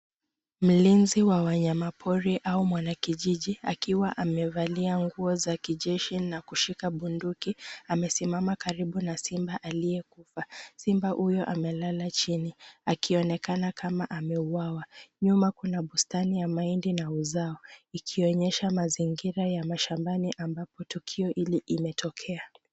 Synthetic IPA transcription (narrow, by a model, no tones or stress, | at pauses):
m̩linziwawaɲamapʰɔɾiʔaumwanakiʄiʄiakiwaʔamɛvaliaŋɡuɔzakiʄɛʃinakuʃikaɓundukiamɛsimamakaɾiɓunasimbaʔalijɛkufasimbahujɔʔamɛlalat͡ʃiniakʰiɔnɛkanakamaʔamɛuwawaɲumakunaɓustanijamaindinauzaɔikʰiɔɲɛʃamaziŋɡiɾajamaʃambaniʔambapɔtukʰiɔʔiliʔimɛtʰɔkʰɛa